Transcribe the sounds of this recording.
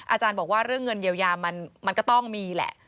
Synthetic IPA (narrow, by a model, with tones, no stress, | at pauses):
ʔaː˧t͡ɕaː˧nbɔː˨˩k̚waː˥˩ɾɯ˥˩əŋːɤ˧njiː˧wjaː˧ma˧nma˧nkɔ˥˩t̪ɔ˥˩ŋmiː˧lɛ̰˨˩ʔ